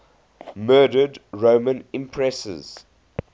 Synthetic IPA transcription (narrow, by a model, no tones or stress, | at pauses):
mɜːdədɹoːmə̃nɪ̃mpʰɹɛsə̰z̥